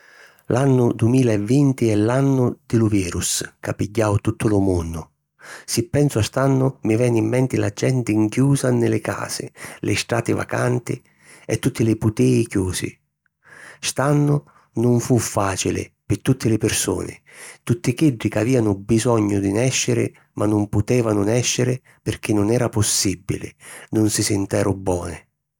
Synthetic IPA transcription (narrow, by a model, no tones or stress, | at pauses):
lʔanːʊd̪uɪmiːlaɛvːint̪ɪɛlanːʊd̪̥ɪlʊviːɾuskapːiɟːawt̪ut̪ːʊlʊmunːʊ | sɪpːɛnsʊast̪anːʊmɪvɛnːimːɛnt̪ɪla̰d͡ʒːɛnt̪ɪŋkjuːzanɪlɪka̰ːsɪlɪ̰st̪ɾa̰ːt̪ɪva̰ka̰nt̪ɪ | ɛt̪ːut̪ːɪlɪput̪ɛːikjuːsɪ̰ | st̪anːʊ | nʊɱfufːaːt͡ʃilɪ̰pɪt̪ːut̪ʰːɪlɪpɪrso̰ːnɪ̰t̪ut̪ːɪkiɖːikaviːanʊbizɔɲːʊd̪inɛʃːɪɾɪ̰ | mʔanːʊmpʊt̪ɛːvanʊnɛʃːɪɾɪ | pɪrk̟ɪnːʊnɛːɾapʊsːibːḭlɪ̰nʊnsisɪnt̪ɛːɾʊbːɔːnɪ